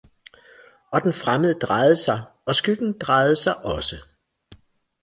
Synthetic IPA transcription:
ʔɒ̽d̥enfʁaməð̩ˠəd̥ʁɑ̈ɪð̩ˠsɑ̈ɪ | ɒ̽sɡ̥yɡ̥n̩d̥ʁɑ̈ɪð̞̩ˠəsɑ̈ɪʔɒ̽sə

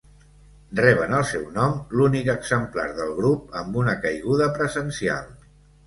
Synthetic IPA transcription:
rɛβ̞ənəlˠsɛwnɔmlunikəɡz̥əmpla̰ɾðəlˠɣɾup̚əmbunəkəjɣuðəpɾəzənsia̰lˠ

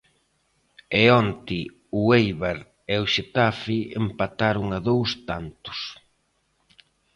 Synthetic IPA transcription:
eɔnt̪ɪ | ʊejβaɾ | eʊʃet̪afiḛmpat̪aɾʊŋaðowst̪ant̪ʊ̥s

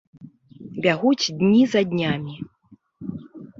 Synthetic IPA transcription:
bʲaɣut͡sʲd̪ʲnʲizad̪ʲnʲamʲi

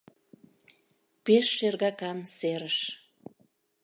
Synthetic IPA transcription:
peʃːerɣɑkɑnseɾəʃ

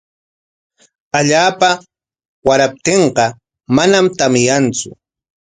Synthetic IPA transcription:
aʎaːpa | waɾap̚t̪eɴqɑ | manamt̪amɪjant͡sʊ̰

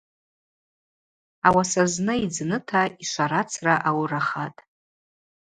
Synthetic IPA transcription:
awasaznɨid͡znɨtʰaiʃʷaɾat͡sʰraʔawraχatʼ

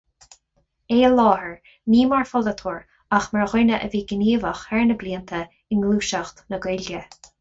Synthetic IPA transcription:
eːəlɔːhəɹ | niːmaɹfɔlət̪ʰuːɹ | axməɹɣʊnəʔəviːɡəniːvəxhɛɹnəbliːənt̪ʰə | ɪnɡluːʃaxt̪nəɡɪljə

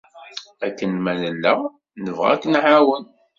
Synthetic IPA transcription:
ækːənmænəlːæ | nəvʁa̰kːənʕawən

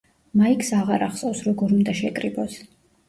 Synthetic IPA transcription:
maikʰʼsaʁaɾaχsʼɔwsɾɔɡɔɾund̪aʃɛkʼɾibɔs

